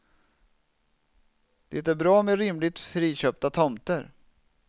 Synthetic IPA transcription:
d̪̥ɛt̪æɾbɾɑːmɛɾɪmlɪt̪fɾiːɕœːp̚t̪at̪ʰɔmt̪əɾ

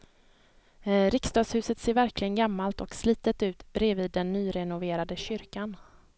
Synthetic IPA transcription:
ɾɪkst̪ɑːɡshʉ̟ːsət̪seːɾvæɾklɪɡənɡamːalt̪ɔksliːt̪ət̪ʉ̟ːt̪b̥ɾeːviːd̪ːɛnːyːɾɛnʊveːɾad̪əɕʏɾkan

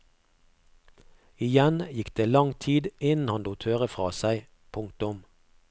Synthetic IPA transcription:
ɪjɛnjɪkd̪eːlɑŋt̪ʰiːd̪ɪnn̩hɑnd̪uːt̪ʰhøːʁəfʁɑːsæɪ | pʰʊŋkt̪ʊm

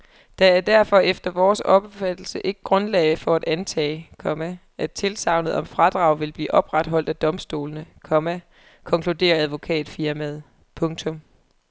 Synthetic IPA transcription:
d̥ææɐd̥æɐfɒ̽ʔefd̥ɐʋɒːsɒ̽b̥efæd̥l̩səʔe̝ɡ̥əɡ̥ʁɔ̽nlɛːɪfɒ̽æd̥ænt͡sʰɛ̰ːɪkʰɒ̽mæ | ʔæt͡sʰe̝lsɑ̈ʊnəð̩ˠɒ̽mfʁɑ̈d̥ʁɑ̈ʊ̰ʋe̝lb̥lḭːʔɒ̽b̥ʁad̥ɦɒ̽l̰d̥æd̥ɒ̽msd̥o̝̰ːlnəkʰɒ̽mæ | kʰɒ̽ŋkʰlud̥e̝̰ːɐæðˠʋo̝kʰɛ̰ːd̥fiɐmæðˠ | pʰɔ̽ŋt͡sʰɔ̽m

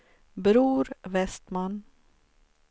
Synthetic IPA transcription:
bɾuːɾvɛst̪man

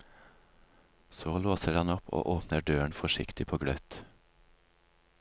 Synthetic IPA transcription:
soːloːsəɖɑnɔpʰo̰ːʔoːpnəɖøːəɳfɔʃɪ̰kt̪ɪpʰoːɡɽœt̪

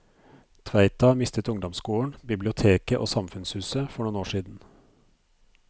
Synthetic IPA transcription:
t̪ʰʋæɪt̪ʰɑmɪst̪ət̪ʊŋd̪ɔmskuːəɳbɪblɪʊt̪ʰeːkəʔo̰ːsɑmfʉnshʉːsəfɔɳuːnoːʂiːd̪n̩

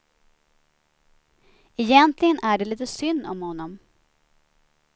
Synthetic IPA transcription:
ɛjɛnt̪lɪɡənʔæɖɛliːt̪əsʏnd̪ɔmhɔnːɔm

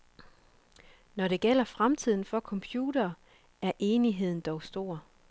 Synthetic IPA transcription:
nɒɾe̝ɡ̥el̰ɐfʁamt͡sʰið̞̰ˠn̩fɒ̽kʰɒ̽mpʰjuːɾ̥ɐː | æɐʔe̝ːniɦe̝ð̞̰ˠn̩d̥ɒʊsd̥o̝ɐ̰

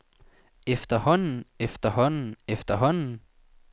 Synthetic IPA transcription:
efd̥̪ɐhɔnn̩efd̥̪ɐɦɔnn̩efd̥̪ɐɦɔnn̩

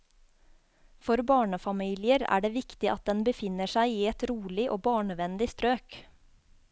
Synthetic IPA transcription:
fɔɾbɑːɳəfɑmiːlɪəɾæ̰ːɖeːʋɪkt̪ɪʔɑ̰t̪̚d̪ɛnbəfɪnəʃæɪiːɛt̪ɾuːɭɪʔoːbɑːɳəʋɛnlɪst̪ɾøːk

